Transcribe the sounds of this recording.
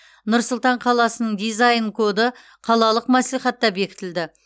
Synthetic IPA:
nʊɾsʊlˠt̪ɑɴqʰɑlˠɑsənəɴd̪ijzajnkʰo̞d̪ə | qʰɑlˠɑlˠəqmæslijχɑt̪ːɑbe̞kʲɪ̥t̪ɪld̪ɪ

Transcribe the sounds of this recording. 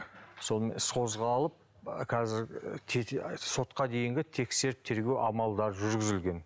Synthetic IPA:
so̞lˠmḛsqʰo̞zʁɑːlˠəp̚ | kʰɑzɪɾt̪ʰso̞t̪qɑd̪e̞jɪŋɡʲɪt̪ʰe̞kse̞ɾɪp̚t̪ʰe̞ɾɡʲe̞wʔɑmɑlˠd̪ɑɾʒʏɾɡʲɪzɪlɡʲe̞n

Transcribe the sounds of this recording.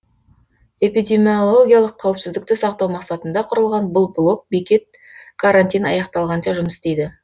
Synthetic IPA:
e̞pijd̪ʲe̞mʲio̞lˠo̞ɡʲijɑlˠəqʰːɑwɪpsɪzd̪ɪkt̪ɪsɑqt̪ɑwmɑqsɑt̪ənd̪ɑqʰʊɾəlˠʁɑnbʊlˠblˠo̞k̚bekʲe̞t̪̚ | kʰaɾanʲt̪ʲijnɑjɑqt̪ɑlˠʁɑnʃɑʒʊməsɪst̪e̞jd̪ɪ

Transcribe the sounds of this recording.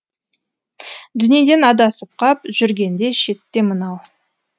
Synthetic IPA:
d̪ʏnije̞d̪e̞nɑd̪ɑsəp̚qʰɑpʒʏɾɡʲe̞nd̪e̞ʃe̞t̪ːe̞mənɑw

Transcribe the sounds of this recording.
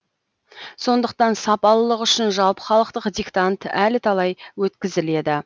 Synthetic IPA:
so̞nd̪əq̚t̪ɑnsɑpɑlˠəlˠəqʏʃɪnʒɑlˠpə̥χɑlˠəq̚t̪əqd̪ʲikt̪ant̪ælɪt̪ʰɑlˠɑjwɵt̪kʲɪzɪle̞d̪ɪ

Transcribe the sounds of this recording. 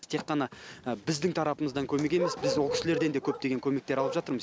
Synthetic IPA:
t̪ʰe̞qːɑnɑəbɪzd̪ɪŋt̪ʰɑɾɑpəməzd̪ɑŋkʲʰɵme̞k̬ʲe̞me̞sbɪzwolˠkʲɪ̥sɪleɾd̪e̞nd̪ekʲʰɵp̚t̪e̞ɡʲe̞ŋkʰʲɵme̞k̚t̪eɾɑlˠəpʒɑt̪əɾməz

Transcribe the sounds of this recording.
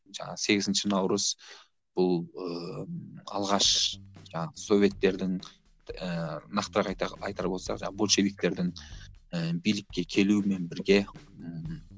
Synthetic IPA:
ʒɑ̰ɴɑ̰ʁse̞ɡʲɪzɪnʃɪnɑwɾəz̥ | b̥ʊlˠə | ɑ̰lˠʁɑʃʒɑɴɑʁəso̞vʲe̞t̪ːe̞ɾd̪ɪŋ | ənɑqt̪əɾɑq̪ɑjt̪ɑɾbo̞lˠsɑ̰qʒɑɴbolˠʃe̞vik̚t̪e̞ɾd̪ɪŋəbijlɪkːʲe̞kʲʰe̞luɪme̞nbɪɾɡʲe̞ | ə

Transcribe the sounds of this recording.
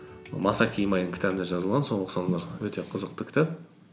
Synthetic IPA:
mɑsɑkʲʰijmɑjd̪əŋkʰʲɪ̥t̪æbɪnd̪eʒɑzəlˠʁɑnso̞ɴəsɑnzɑɾwɵt̪e̞qʰəzəq̚t̪əkʲʰt̪æp

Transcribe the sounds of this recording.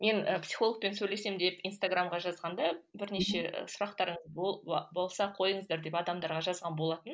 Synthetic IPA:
me̞nəpsi̥χo̞lˠək̚pe̞nsɵjle̞se̞md̪e̞pinst̪aɡramʁɑʒɑzʁɑnd̪ɑbɪɾne̞ʃe̞ə̰sʊɾɑqt̪ɑɾəɴəzbbo̞lˠsɑqʰo̞jəɴəzd̪ɑɾd̪e̞pɑd̪ɑmd̪ɑɾʁɑʒɑzʁɑnbo̞lˠɑt̪ən

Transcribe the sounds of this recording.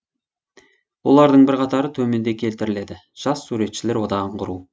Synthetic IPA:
wo̞lˠɑɾd̪əɴbɪɾqʰɑt̪ɑɾət̪ʰɵme̞nd̪e̞kʲʰe̞lt̪ɪɾɪle̞d̪ɪ | ʒ̥ɑsːuɾe̞t̪ʃɪle̞ɾwo̞d̪ɑʁəɴqʰʊɾuw

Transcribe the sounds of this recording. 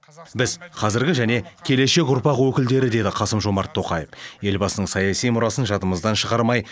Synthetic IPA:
bɪzqʰɑzɪɾɡʲɪʒæne̞kʲʰe̞le̞ʃe̞k̬ʲʊɾpɑqwɵkʲɪld̪e̞ɾɪd̪e̞d̪ɪqʰɑsəmʒo̞mɑɾt̪ʰːo̞qɑjəfje̞lbɑsənəɴsɑjɑsijmʊɾɑsənʒɑt̪əməzd̪ɑnʃəʁɑɾmɑj

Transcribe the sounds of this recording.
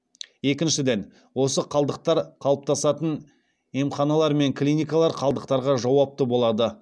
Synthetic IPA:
je̞kʲɪnʃɪd̪e̞n | wo̞səqʰɑlˠd̪əq̚t̪ɑɾqʰɑlˠəp̚t̪ʰɑsɑt̪ən | emχɑnɑlˠɑɾme̞ŋklʲijnʲijkɑlˠɑɾqʰɑlˠd̪əq̚t̪ɑɾʁɑʒɑwɑp̚t̪əbo̞lˠɑd̪ə

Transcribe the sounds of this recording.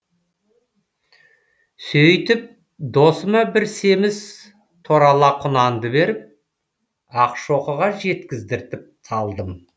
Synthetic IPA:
sɵjt̪ɪp̚ | d̪o̞səmɑbɪɾse̞mɪz | t̪ʰoɾɑlˠɑqʰʊnɑnd̪əbe̞ɾɪp̚ | ɑqʃo̞qəʁɑʒe̞t̪kʲɪzd̪ɪɾt̪ɪp̚t̪ʰɑlˠd̪əm

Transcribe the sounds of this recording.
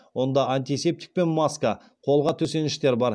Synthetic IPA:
wo̞nd̪ɑanʲt̪ʲise̞p̚t̪ʲi̥k̚pe̞nmaskɑ | qʰo̞lˠʁɑt̪ʰɵse̞nɪ̥ʃt̪e̞ɾbɑɾ

